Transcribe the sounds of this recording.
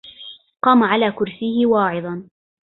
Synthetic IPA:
qɑːmaʕalaːkʊɾsɪhɪwɑːʕɪd̪ˤɑn

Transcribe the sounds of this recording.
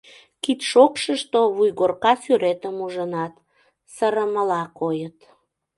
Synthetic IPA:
kit̪ʃokʃəʃt̪oβujɣorkɑsyɾet̪əmuʒənɑt̪ | səɾəməlɑkojət̪

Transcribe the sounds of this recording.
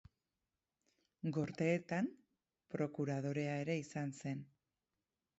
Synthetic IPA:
ɡo̞ɾt̪e̞ːt̪am | pɾo̞kuɾað̞o̞ɾe̞ae̞ɾe̞isanse̞n

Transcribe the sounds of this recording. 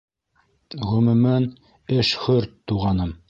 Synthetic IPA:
ʁɵ̆mʉ̆mɘn | ɘʃχɵɾt̪ːuʁɑnɤm

